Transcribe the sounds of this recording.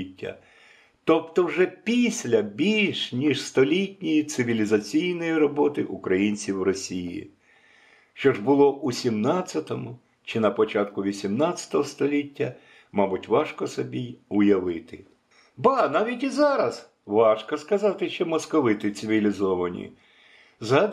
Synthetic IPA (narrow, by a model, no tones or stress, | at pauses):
tʲːɐ̰ | t̪ɔpt̪ɔwʒɛpʲisʲlʲɐbʲilʲʃnʲiʃst̪ɔlʲitʲnʲijit̪sɪʋʲilʲizɐt͡sʲijnɔjiɾɔbɔt̪ɪʔʊkɾɐjinʲt͡sʲiwrɔsʲijḭ | ʃt͡ʃɔʐbʊlˠɔʔusʲimnɑt͡sʲːɐt̪ɔmʊ | t͡ʃɪnɐpɔt͡ʃɑt̪kʊʋʲisʲimnɑt͡sʲːɐ̥t̪ɔɦɔst̪ɔlʲitʲːɐ | mɑbʊtʲʋɑʃkɔsɔbʲijʊjɐʋɪt̪ɪ | bɐnɑʋʲitʲizɑɾɐz | ʋɑʃkɔskɐzɑt̪ɪʃt͡ʃɔmɔskɔʋɪt̪ɪt̪sɪʋʲilʲizɔʋɐnʲḭ | zɐ